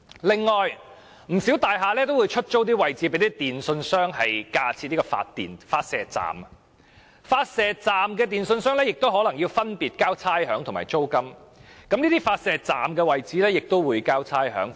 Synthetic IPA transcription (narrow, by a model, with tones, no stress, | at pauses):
lɪ˨ŋːɔː˨j | m̩˨˩siː˨˥wt̪aː˨jɦaː˨˧lɛː˥t̪̬o˥wu˨˧jt͡ʃʰɵ˥t̚t͡so˥wt̪̬iː˥wɐ˨jt͡siː˨˥pe˨˥jt̪i˥t̪iː˨nsɵ˧nsœː˥ŋɦɐ˨jkaː˧t͡sʰiː˧t̚li˥kɔ˧fa̰ː˧tt̪ḭː˨nfaː˧t̚sɛː˨˩t͡sa̰ː˨mɐ | faː˧t̚sɛː˨˧t͡saː˨mkɛː˧t̪iː˨˩nsɵ˧nsœː˥ŋlɛː˥jɪ˨k̚t̪o˥wɦɔː˨˥lɐ˨˩ŋjiː˧wfɐ˥npiː˨t̚kaː˥wt͡sʰaː˥jɦœː˨˥ŋt̪ʰma̰ː˨˩jt͡so˥wkɐ˥mkɐ˨˥mniː˥t̪iː˥faː˧t̚sɛː˨t͡sa̰ː˨˩mkɛː˧wɐ˨jt͡siː˨˥lɛː˥jɪ˨k̚t̪o˥wwuː˨˧jkaː˥wt͡sʰaː˥jɦœ̰ː˨˥ŋ